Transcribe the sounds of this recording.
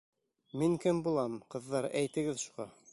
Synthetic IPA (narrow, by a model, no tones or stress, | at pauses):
miŋkɘmbulˠɑmqɤ̆ðːɑɾæjt̪ɘ̆ɡɘðʃuʁɑ